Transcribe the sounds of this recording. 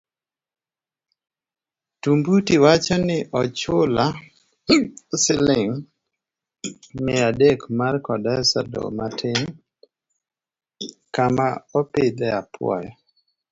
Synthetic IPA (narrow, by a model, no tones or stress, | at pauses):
tumbutiwat͡ʃɔnɪʔɔt͡ʃʊla | sɪlɪŋ | mɪadekmarkɔdɛsa̰dɔ̰matʰɪŋ | kamaɔpɪd̪ɛapʰwɔ̰jɔ